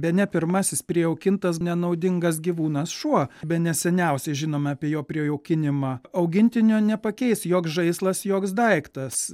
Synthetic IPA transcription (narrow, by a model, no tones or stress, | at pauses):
bʲɛtnʲɛpʲɪɾmɑːsʲɪspʲɾʲiɛɛʊkʲɪnt̪ɐsnʲɛnɐʊd̪ʲɪŋɡɐs̬ɡʲiʋuːnɐsʃuɔbʲɛnʲɛsʲɛnʲɛʊsʲɛʒʲɪnoːmʲɛɑpʲiɛjoːpʲɾʲiɛɛʊkʲɪnʲɪmɑːɐʊɡʲɪnʲt̪ʲɪnʲoːnʲɛpɐkʲɛɪsjoːksʒɐɪslˠɐsjoːksd̪ɐɪkt̪ɐs